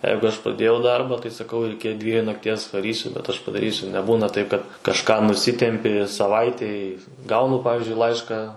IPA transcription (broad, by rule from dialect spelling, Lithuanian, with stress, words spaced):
ˈjɛɪɡʊ ˈɐʃ prɐdʲˈeːjɛʊ ˈdɐrbɑː tɐɪ sɐˈkɐʊ ɪr ˈɪkʲɪ ˈdʲʋʲiɛjuː nɐkˈtʲiɛs ʋɐˈrʲiːsʲʊ bʲɛt ɐʃ pɐdɐˈrʲiːsʲʊ nʲɛˈbuːnɐ tɐɪp kɐt kɐʃˈkɑː nʊˈsʲɪtʲɛmʲpʲɪ sɐˈʋɐɪtʲɛɪ ˈɡɐʊnʊ ˈpɑːʋʲɪzʲd͡ʒʲʊɪ ˈlˠɐɪʃkɐ